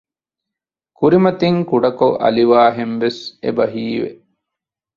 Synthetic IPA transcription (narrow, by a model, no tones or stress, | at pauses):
kuɾimɐt̪iŋkuɖɐkoʔɐ̰liʋaːɦenʋesḛbɐɦiːʋḛ